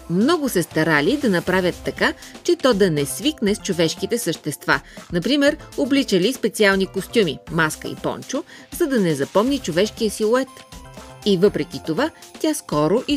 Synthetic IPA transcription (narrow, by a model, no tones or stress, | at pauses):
mnɔɡʊsɛst̪ɐɾalid̪ɐnɐpɾavʲət̪ːɐkat͡ʃɛt̪ɔd̪ɐnɛsviknɛst͡ʃovɛʃkit̪ɛsəʃt̪ɛst̪va̰nɐpɾimɛɾoblit͡ʃəlispɛt̪sialˠnikost̪ʲumimaskə̰ḭpɔ̰nt͡ʃʊzɐd̪ɐnɛzɐpɔmnit͡ʃovɛʃk̟iəsilˠoɛt̪ | ivɤpɾɛk̟ʲit̪ovatʲjaskɔɾoʔi